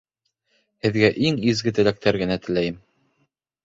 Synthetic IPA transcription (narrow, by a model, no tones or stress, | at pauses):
hɘ̆ðɡæʔiŋizɡɘt̪ɘ̆læk̚t̪æɾɡɘ̆næt̪ɘ̆læjɘm